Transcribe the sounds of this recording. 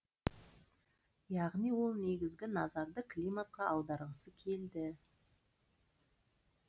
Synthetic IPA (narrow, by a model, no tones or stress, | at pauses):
jɑʁnijwo̞lˠne̞ɡʲɪzɡʲɪnɑzɑɾd̪əklʲijmat̪̚qɑʔɑwd̪ɑɾʁəsəkʲʰe̞ld̪ɪ